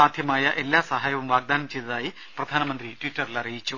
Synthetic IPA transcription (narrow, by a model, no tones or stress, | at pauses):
aːd̪ʱjɐmaːjɐʔe̞lːaːsɐɦaːjɐʋɐmʋaːɡ̚d̪aːnɐmt͡ɕejd̪ɐðaːji | prɐd̪ʱaːnɐmɐnd̪ritwitːɐrilɐrijit͡ɕːu